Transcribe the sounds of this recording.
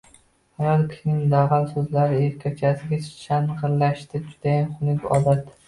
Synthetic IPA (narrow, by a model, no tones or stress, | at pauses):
hajɒlkʲʰɪnɪŋʲd̪aʁalsɵzlaɾɪeɾkʲʰat͡ʃʰasɪɡʲat͡ʃʰanʁɨɾlːaʃt̪ɪd͡ʒʊd̪̥ajanχʊnɪkʲɒ̰d̪at̪